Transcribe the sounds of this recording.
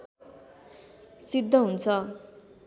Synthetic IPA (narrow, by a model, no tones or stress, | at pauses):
sid̪ʱːʌɦunt͡sʰʌ